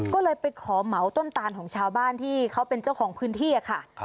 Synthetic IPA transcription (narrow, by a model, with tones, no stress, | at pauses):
kɔː˥˩lɤː˧jpa˧jkʰɔː˩˦ma˩˦wt̪o˥˩nt̪aː˧nkʰɔː˩˦ŋt͡ɕʰaː˧wbaː˥˩nt̪ʰiː˥˩kʰa˦˥wpe˧nt͡ɕa˥˩wkʰɔː˩˦ŋpʰɯː˦˥nt̪ʰiː˥˩ʔa˧kʰa˥˩